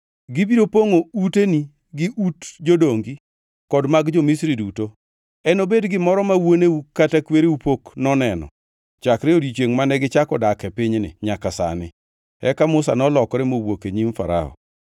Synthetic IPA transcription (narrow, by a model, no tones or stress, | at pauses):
ɡɪbiɾopoŋouteni | ɡɪʔutd͡ʒodoŋɡi | kɔdmaɡd͡ʒɔmisɾiduto | ɛnobedɡɪmɔɾɔmawoneukatakweɾeupoknɔnɛnɔ̰ | t͡ʃakɾɛodit͡ʃweŋmanɛɡɪt͡ʃakɔdakɛpɪɲnɪ̰ɲakasa̰nɪ̰ | ɛkamʊsa̰nɔlɔkɾɛmowokeɲimfa̰ɾa̰ɔ̰